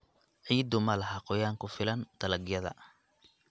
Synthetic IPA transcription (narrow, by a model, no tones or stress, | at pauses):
ʕiːd̪ʊmɐlɐhaqɔjaːŋkʰʊfɪlɐnd̪̥ɐlɐɡjɐðɐ̰